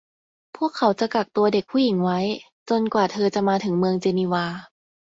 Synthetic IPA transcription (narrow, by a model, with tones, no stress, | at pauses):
pʰu˥˩əkʰːa˩˦wt͡ɕa˨˩ka˨˩k̚t̪u˧ɐde˨˩k̚pʰuː˧˥˩ji˩˦ŋwa˦˥j | t͡ɕo˧nkwaː˨˩t̪ʰɤː˧t͡ɕa˨˩maː˧t̪ʰɯ˩˦ŋmɯ˧əŋt͡ɕeː˧niː˧waː˧